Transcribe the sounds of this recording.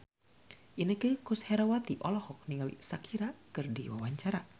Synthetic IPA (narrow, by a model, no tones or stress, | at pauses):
ʔinəkəhkushɛɾawat̪iʔɔlɔhɔk̚niŋalḭsakʰiɾakɨrdḭwa̰waɲt͡ʃaɾa